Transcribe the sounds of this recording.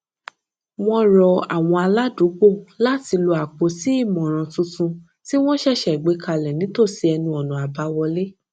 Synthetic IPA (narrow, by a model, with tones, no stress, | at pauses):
w̃ɔ̃˦ɾɔ˧a̰˨w̃ɔ̃˧a˧la˦du˨˦ɡ͡bo˦˨la˦ti˧lo˧a˨k͡po˨˦si˦i˦˨mɔ̃˨ɾ̃ã˨˧tũ˧tũ˧ | ti˦w̃ɔ̃˦ʃɛ˦˨ʃɛ˨ɡ͡be˨˦ka˧lɛ˨nĩ˨˦to˦˨si˧ɛ˧nũ˧ɔ˨nũ˨a˨ba˨˦wɔ˧le˦